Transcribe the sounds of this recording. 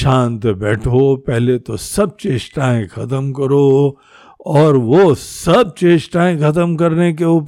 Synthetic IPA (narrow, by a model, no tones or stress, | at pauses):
ʃãːnt̪bɛːʈʰopɛɦlet̪osɐb̚t͡ʃeːsʈaːɪ̃xɐt̪əmkɐɾo | ɔːɾʋosɐb̚t͡ʃeːd͡ʒʈãːɪ̃xɐt̪əmkɐɾnek̬eʊp